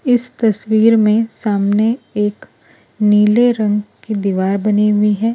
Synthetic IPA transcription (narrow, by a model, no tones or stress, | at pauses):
ɪst̪ɐswiːɾmẽsaːmneeːk | niːleɾɐ̃ŋɡkid̪iːʋaːɾbɐniɦʊiɦɛː